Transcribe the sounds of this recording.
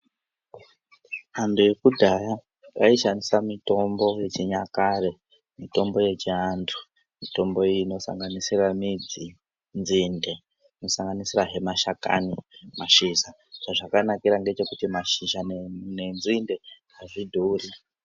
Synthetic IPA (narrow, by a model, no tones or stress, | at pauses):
manduje̞kudʱaja | ʔaiʃanisamito̞mbo̞je̞t͡ʃiɲakare̞ | mito̞mbo̞je̞t͡ʃiandu̥ | mito̞mbo̞no̞sa̰ŋɡanisiramid͡zi | nd͡zzinde̞ | ino̞saŋɡanisiraɦe̞maʃaka̰nimaʃiʃa | t͡ʃaʐakanakiɾaŋɡe̞t͡ʃe̞kutimaʃiʃannenzinde̞ɦaʐidʱuːri